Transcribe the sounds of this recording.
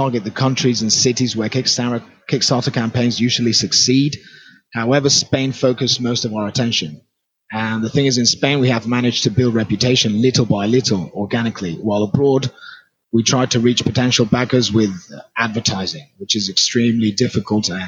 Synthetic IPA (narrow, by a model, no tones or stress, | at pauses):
ɑɹɡɨt̪̚ðəkʰʌ̃nt͡ʃɹ̥izɨ̃nsɪɾizwə˞ | kʰɪksɑɹtəkʰæ̃mpʰẽɪ̃nzjʉʒl̩ˠisɨksid̚ | haʊɛvə˞spẽɪ̃nfoʊkɨsmoʊstʌvaʊə˞ətʰɛ̃nʃɨ̃n | ə̃nðəθɪ̃ŋɨzɨ̃nspẽɪ̃nwiəvmænɪd͡ʒ̥tʰɨbɪlˠdɹɛpjɨtʰeɪʃɨ̃nlɪɾl̩ˠbaɪlɪɾl̩ˠɔɹɡænɨkʰliwaɪlˠəbɹɔːd | witʰɹ̥aɪd̚tʰəɹiˑt͡ʃpʰətʰɛ̃nʃl̩ˠbaɡə˞zwɪðadvə˞tʰaɪzɪ̃ŋwɪt͡ʃɨzɨkstɹ̥ĩmlidɪfɨkʰəlˠt